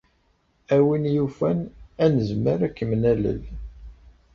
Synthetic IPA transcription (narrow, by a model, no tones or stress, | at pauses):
æwinjufænænəzməɾækːəmnælə̰l